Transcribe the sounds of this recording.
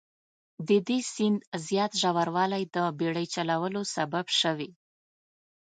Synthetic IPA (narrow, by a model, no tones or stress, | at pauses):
d̪əd̪esind̪zjɑt̪ʒawaɾwɑlajd̪əbeɽəjt͡ʃalawəlosababʃəwi